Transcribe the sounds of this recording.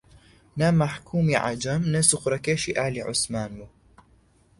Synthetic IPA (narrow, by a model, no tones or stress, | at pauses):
namaħkʰuːmiʕa̰d͡ʒamnɐsʊxɾakeːʃiʔaːliʕʊ̰smaːnmu